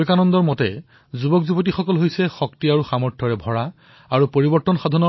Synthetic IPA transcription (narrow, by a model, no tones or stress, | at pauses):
ekanɔndɔɹmɔtɛ | zubɔkzubotixɔkɔlɦojsɛxɔktiaɹuxamɔɹtʰɔɹɛbʱɔɹa | aɹupoɹibɔɹtːɔnxad̪ʱɔnɔ